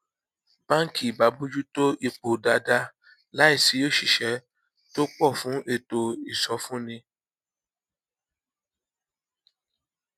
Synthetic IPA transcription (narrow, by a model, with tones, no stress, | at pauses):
bã˦ŋ̩˦ki˦˨ba˨˦bu˦d͡ʒu˦to˦ʔi˦˨k͡po˨da˧da˧ | la˨˦i˦˨si˨˧˦jo˦˨ʃi˨ʃɛ˨˦ | to˦k͡pɔ˦˨fũ˨˦ʔe˦˨to˧i˨sɔ˧˦fũ˦nĩ˧